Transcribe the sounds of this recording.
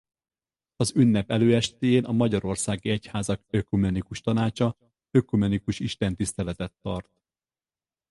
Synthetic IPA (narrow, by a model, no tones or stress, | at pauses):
ɒzynːɛpɛløːɛʃt̪eːjeːnʔɒmɒɟɒɾo̞rsaːɡiɛchaːzɒkøkumɛnikuʃt̪ɒnaːt͡ʃɒ | økumɛnikuʃiʃt̪ɛnt̪ist̪ɛlɛt̪ɛt̪ːɒrt̪̚